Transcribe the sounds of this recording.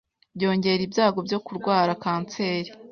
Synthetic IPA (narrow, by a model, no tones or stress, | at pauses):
bjo̞ːɲɟe̞ɾibjaːɡo̞bjo̞kuɾɡwaːɾakaːnt͡se̞ːɾi